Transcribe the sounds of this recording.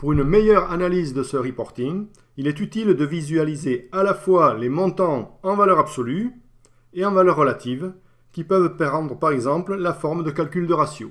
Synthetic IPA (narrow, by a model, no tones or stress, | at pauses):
puʁynmejœʁanalizd̪əsəʁipɔʁt̪iŋ | ilɛt̪yt̪ild̪əvizyalizealafwalemɔ̃t̪ɑ̃ɑ̃valœʁabsɔly | eɑ̃valœʁːəlat̪ʰiv | kʲipœvpeʁɑ̃d̪ʁəpaʁɛɡzɑ̃pllafɔʁmd̪əkalkʲyld̪əʁasjo̰